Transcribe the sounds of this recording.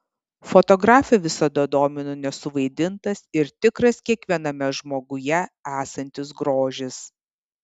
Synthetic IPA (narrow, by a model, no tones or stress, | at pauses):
fɔt̪ɔɡɾɑːfʲɛʋʲɪsɐd̪ɐd̪oːmʲɪnʊnʲɛsʊʋɐɪd̪ʲɪnt̪ɐsɪɾt̪ʲɪkɾɐskʲiɛkʋʲiɛnɐmʲɛʒmoːɡʊjɛæːsɐnʲt̪ʲɪs̬ɡɾoːʒʲɪs